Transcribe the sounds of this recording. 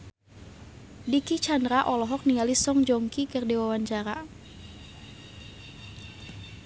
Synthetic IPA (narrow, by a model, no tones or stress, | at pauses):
dikit͡ʃandɾaʔɔlɔɦɔk̚niŋalisɔŋd͡ʒɔŋkikərdewawaɲt͡ʃaɾa